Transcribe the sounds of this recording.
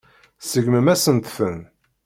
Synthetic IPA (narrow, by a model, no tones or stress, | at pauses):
səɡməmæsənt̪fən